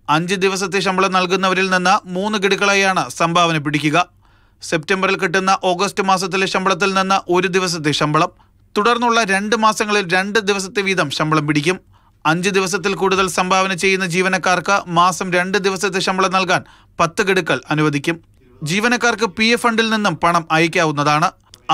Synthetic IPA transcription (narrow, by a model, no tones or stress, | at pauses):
ɐɲd͡ʑɨd̪iʋɐs̬ɐt̪̬ːeɕ̬ɐmbʱɐɭɐmnɐlkunːɐʋɐɾilninːɐmuːnːɨɡeɽukːɐɭaːjaːɳɨsɐmbʱaːʋɐnɐmpiɽikʲːuɣɐ | se̞p̚tembɐrilkiʈ̬ːunːɐʔo̞ːɡɐstɨmaːs̬ɐt̪̬ːileɕɐmbɐɭɐt̪̬ːilninːɐʔo̞ɾud̪iʋɐs̬ɐt̪ːe̞ɕɐmbʱɐɭɐm | t̪uɽɐrnːuɭːɐɾe̞ɳɖɨmaːsɐŋːɐɭilɾe̞ɳɖɨd̪iʋɐsɐt̪ːe̞ʋiːd̪ɐmɕɐmbɐɭɐmpiɽikʲːum | ɐɲd͡ʑɨd̪iʋɐs̬ɐt̪ːilkuːɽuðɐlsɐmbʱaːʋɐnɐt͡ɕe̞jːunːɐd͡ʑiːʋɐnɐkːaːrkɨmaːsɐmɾe̞ɳɖɨd̪iʋɐsɐt̪̬ːeɕɐmbʱɐɭɐmnɐlkaːn | pɐt̪ːɨɡeɽukːɐɭɐnuʋɐd̪ʱikʲːum | d͡ʑiːʋɐnɐkːaːrkɨpijefɐɳɖilninːumpɐɳɐmɐjikʲːaːʋunːɐðaːɳɨ